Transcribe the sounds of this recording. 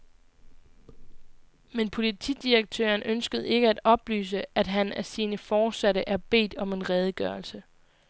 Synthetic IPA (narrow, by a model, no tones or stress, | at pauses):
menpʰo̝lit͡sʰḭd̥ieɡ̥̚t͡sʰø̰ːɐnʔønsɡ̥əð̞̩ˠe̝ɡ̥əæd̥ɒ̽b̥ly̰ːs̬əæd̥ɦænæsiːnəfɒ̥ːsæɾəʔæɐb̥e̝̰ːd̥ɒ̽me̝nʁɛːð̞ˠəɡ̥ɶɐlsə